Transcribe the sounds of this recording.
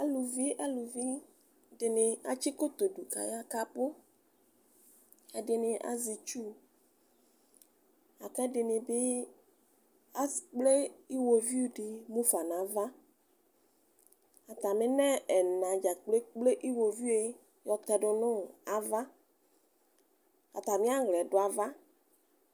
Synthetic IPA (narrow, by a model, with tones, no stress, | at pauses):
a˦lu˨vi˦ʔa˦lu˨vi˦ | ɖɪ˨nɪ̃˨a̰˨t͡ʃi˦ko˦t̪o˨ɖu˨ka̰˨ja˦ka˨po˦ | e˦ɖɪ˨nɪ̃˨ʔa̰˨zi˨t͡ʃu˦˨ | a˨kɛ˦ɖɪ˨nɪ̃˨be˦ | a˨k͡ple˦i˦wo˨vi˦u˦ɖɪ˨mũ˦fa˨nã˨˦va˦ | a˨t̪a˨mɪ̃˦nɛ̃˦ɛ˨nã˨d͡ʒa˨k͡ple˦k͡ple˦ʔi˦wo˨vi˦e˦˨ | jɔ˨t̪ɛ˨ɖʊ˨nʊ̃˦˨a˨va˦ | a̰˨t̪a˨mɪ̃˦a˦ɣlɛ˨ɖʊ˨˦a˨va˦